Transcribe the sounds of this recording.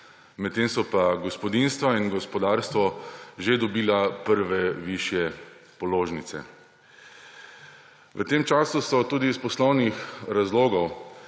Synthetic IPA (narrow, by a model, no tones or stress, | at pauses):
mɛt̪ːemsɔpaɡɔspɔd̪inst̪ʋainɡɔspɔd̪aːɾst̪ʋɔʒed̪ɔbiːlapəɾʋɛʋiʃjɛ | pɔloːʒnit̪sɛ̰ | ʋət̪emt͡ʃaːsusɔt̪uːd̪ispɔslɔwnixɾazloːɡɔw